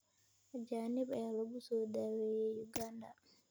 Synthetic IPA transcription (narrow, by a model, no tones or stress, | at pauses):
d͡ʒaːnibɛlɔbusɔdawɛjɛjuɡanda